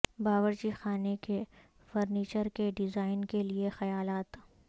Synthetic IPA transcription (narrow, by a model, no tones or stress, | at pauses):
baːʋəɾd͡ʒixaːneke | fɐɾniːt͡ʃəɾkeɖɪzaːɪnkeliexɐjaːlaːt̪